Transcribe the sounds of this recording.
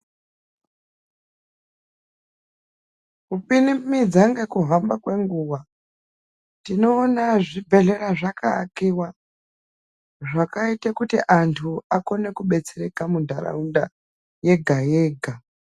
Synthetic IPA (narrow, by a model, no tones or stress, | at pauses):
kupinimid͡zaŋɡekuɦambakwe̞ŋɡuwa | tino̞ːnaʐibʱe̞ɬe̞ɾaʐakaːkiwa | ʐakaitakutiʔantʰuako̞ne̞kuɓe̞t͡seɾe̞kamundʱaɾa̰unda | je̞ɡʱaje̞ːɡʱa